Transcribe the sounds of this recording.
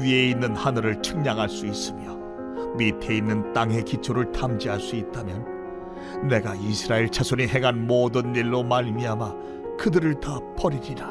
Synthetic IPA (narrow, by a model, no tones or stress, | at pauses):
ie̞inːɯnhanɯɾɯɭt͡ɕʰɯŋɲaŋɦaɭs͈uis͈ɯmjʌ | mitʰe̞inːɯnt͈aŋɦe̞kit͡ɕʰoɾɯɭtʰamd͡ʑiɦaɭs͈uit̚t͈amjʌnː | e̞ɡaisʰɯɾaeɭt͡ɕʰasʰoniɦe̞ŋɦanmodɯnːiɭːomaɾimiama | kɯdɯɾɯɭtap͈ʌɾiɾiɾa